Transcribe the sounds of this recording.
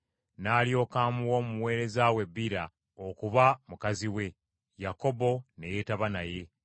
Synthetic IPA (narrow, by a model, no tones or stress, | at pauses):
naːljo̞ːkaːmuwo̞ːmuwe̞ːɾe̞zawe̞bːiɾa | okuβamukaziwe̞ | jako̞bo̞ne̞je̞taβanaje̞